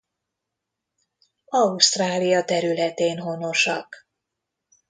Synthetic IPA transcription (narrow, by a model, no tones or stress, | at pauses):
ɒust̪raːlijɒt̪ɛɾylɛt̪eːnɦo̞no̞ʃɒk